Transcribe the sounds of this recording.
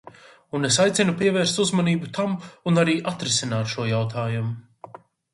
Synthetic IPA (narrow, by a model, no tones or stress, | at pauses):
unesajt̪sʲinupiɛvɛːɾst̪uzmaniːbut̪ʰamunaɾiːʔat̪ɾɛsinaːt̪ʃuɔjawt̪ʰaːjumu